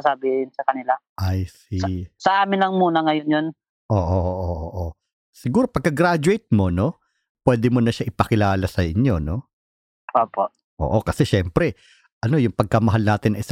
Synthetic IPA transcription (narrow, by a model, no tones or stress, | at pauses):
saːbɪɪnsɐkɐnɪlaʔajsisɐʔaːmɪnlɐŋmuːnɐŋɐjonjon | ʔoːʔoʔoʔoʔo | sɪɡuːɾo̞pɐɡ̚kɐɡɾad͡ʒʊejt̪̚mo̞no̞ | pwɛːd̪ɛmonɐʃaʔɪpɐkɪlaːlasɐʔɪɲjo̞no̞ | ʔoːpoʔ | ʔo̰ːʔo̞kɐsɛʃɛmpɾɛ | ʔɐno̞jʊŋpɐɡ̚kɐmɐɦalnaːt̪ɪnːɐŋʔɪs